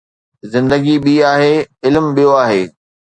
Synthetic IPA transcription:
zɪ̃nd̪əɡiɓiːaːɦeːɪlmɓijoaːɦeː

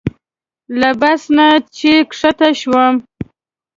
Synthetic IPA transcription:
labasnat͡ʃekʂat̪aʃwəm

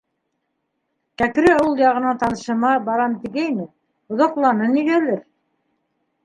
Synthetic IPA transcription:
kækɾɘulˠjɑʁɤ̆nɑt̪ɑnɤ̆ʃɤ̆mɑbɑɾɑmt̪iɡæjmɘ | ŏðoqlˠɑnɤniɣælɘɾ

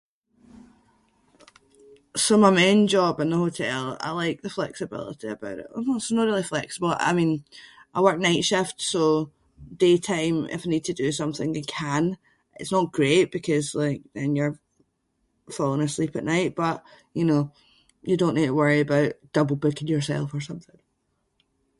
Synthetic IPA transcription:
somaɪmẽnd͡ʒɔbɪ̃nðəhotʰɛ̰lˠa̰ɪlˠaɪk̚ðəflˠɛ̰ksɪbɪ̰lˠɪ̰ʔiə̰baʊʔɪ̰ʔɪtsnəʔɹilˠiflˠɛksəbəl̩ˠʔa̰ɪmĩn | ʔaɪwɜ˞k̚naɪʔʃɪftso | d̥etʰãɪ̃mɪ̰faɪnid̚tʰədəsʌ̃mθɪ̰̃ŋɪkʰə̃n | ɪ̰tsnəʔɡ̥ɹeʔ̚b̥ɪkʰɔzlˠaɪk̚ðɛ̃njə˞ | fɔlˠɪ̃ŋəslˠipəʔnaɪʔb̥ʌʔjəno | jədõnʔːid̚təwɜ˞iəbaʊʔd̥ʌbl̩ˠbʊkɪ̃njə˞sɛ̰lˠfə˞sʌ̃mθɪ̃ŋ

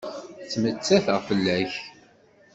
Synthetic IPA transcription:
t͡sːmət͡sːæθəʁfəlːæç

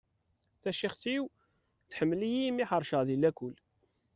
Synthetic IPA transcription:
θæʃiχt̪iw | θħəmːlijimiħəɾˤʃəʁðilækːʊl

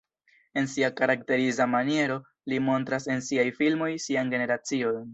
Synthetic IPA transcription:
e̞nsiakaɾakte̞ɾizamanie̞ɾo̞ | limo̞ntɾase̞nsiajfilmo̞jsianɡe̞ne̞ɾat͡sio̞n

